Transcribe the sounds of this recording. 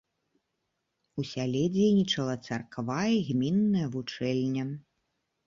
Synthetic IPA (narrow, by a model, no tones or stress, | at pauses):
usʲalʲɛd͡zʲejnʲit͡ʂɐlˠɐt̪sarkvajɐɣmʲinːɐjɐvut͡ʂɛlʲnʲɐ